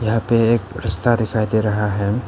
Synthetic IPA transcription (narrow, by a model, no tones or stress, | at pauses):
jɐɦãpeeːkɾɪst̪ad̪ɪkʰaːid̪eɾɐɦaɦɛː